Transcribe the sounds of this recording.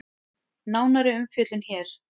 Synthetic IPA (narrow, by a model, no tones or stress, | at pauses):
naːwnaɾɪʏmfjœːt̪lɪnçɛːɾ̥